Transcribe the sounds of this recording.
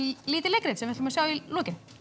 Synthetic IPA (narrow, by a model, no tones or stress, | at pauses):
liːt̪ɪlekɾet̪sɛmvɪht̪ʰɪlʏmsjaːwilɔːcɪn